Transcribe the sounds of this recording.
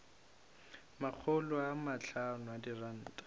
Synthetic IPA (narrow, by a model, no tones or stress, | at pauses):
mak͡xʰʊlɔamat͡ɬʰanʊadiran̩ːtʼḁ